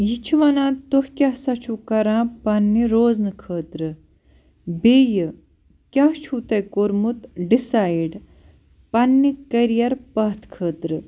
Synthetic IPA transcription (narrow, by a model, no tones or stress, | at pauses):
jit͡ʃʰuʋɐnãːt̪ohkʲɐsɐt͡ʃʰukɐɾãːpɐnːiɾoːznɨkʰəːt̪ɾɨ | bejɨ | kʲɐɦt͡ʃʰuːt̪ɐjkoɾmut̪ɖisaːjiɖ | pɐnːikɐɾijɐɾpɐɦt̪ʰkʰəːt̪ɾɨ